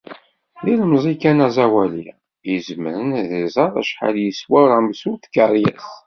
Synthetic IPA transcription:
lilmzˤikænæzæwæli | jəzəməɾənðəzˤɑɾˤæ̰ʃħa̰ljəswəɾˤamsuθkəɾˤjəθ

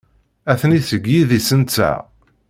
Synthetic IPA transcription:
æθniθəɡjiðisənt͡sːæ̰

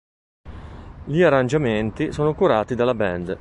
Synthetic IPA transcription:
ʎiarːand͡ʒament̪isoːnokuɾaːt̪id̪alːabɛnd̪

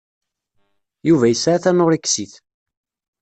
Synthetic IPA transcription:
juvæjəsɾæθænoɾikːsiθ

